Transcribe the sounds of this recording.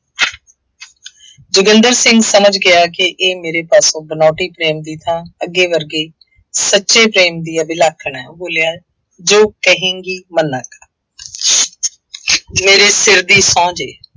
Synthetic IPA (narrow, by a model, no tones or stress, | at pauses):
d͡ʒʊɡənd̪əɾsɪ̃ŋɡsəməd͡ʒɡɪaːkɪʔeːmeːɾeːpaːsõːbənaːʈiːpɾeːmd̪iːt̪ʰãːəɡːeːʋəɾɡeː | sətːʃeːpɾeːmd̪iːəːbɪlaːkʰːəɳɛːboːlɪjaː | d͡ʒoːkəɦẽːŋɡiːmənːək | meːɾeːsɪɾd̪iːsɔ̃ːd͡ʒeː